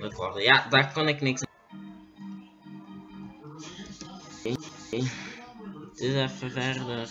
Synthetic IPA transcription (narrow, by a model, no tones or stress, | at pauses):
əkɔrdəjadaːrkɔnɪknɪks | tɪzɛfəvɛrdə